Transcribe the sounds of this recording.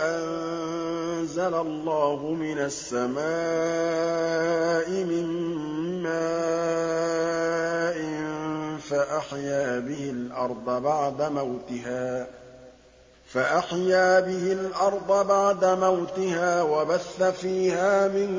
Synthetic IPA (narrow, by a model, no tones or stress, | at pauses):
ʔann | zalalˤːɑːhʊmɪnasːama | ʔɪmɪmː | a | ʔɪ | faʔaħjaːbɪhɪlʔɑɾˤd̪ˤɑbaʕd̪amawt̪ɪɦaː | faʔaħjaːbɪhɪlʔɑɾˤd̪ˤɑbaʕd̪amawt̪ɪhaːwabaθːafiːhaːmɪn